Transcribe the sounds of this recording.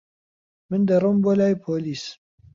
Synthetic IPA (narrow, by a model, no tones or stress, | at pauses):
mɨnd̪ɐrumbolaːjpʰoːliːs